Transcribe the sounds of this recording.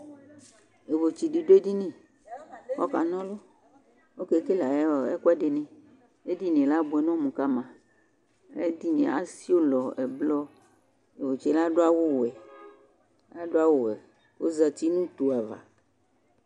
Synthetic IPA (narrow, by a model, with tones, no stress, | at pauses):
e˨vo˨t͡ʃi˨ɖi˨ɖo˦e˦di˦nĩ˦˨ | kɔ˦ka̰˨nɔ̃˦lo˦ | wo˦ke˨˦ke˦la˨˦˨ɛ˦kɛ˦ɖe˨nɛ̃˨ | e˦di˦nẽ˨la˦bo˨ɛ˨nɔ̃˦mũ˨ka˦mã˨ | ḛ˦di˦nẽ˨a̰˦si˦o˦lɔ˨ɛ˨blɔ˦ | e˨vo˨t͡ʃi˨la˦ɖo˦a˦wo˦wɛ˨ | a˦ɖo˦a˦wo˨wɛ˨ | wo̰˦za˨t̪i˦nũ˦t̪u˨a˨va̰˨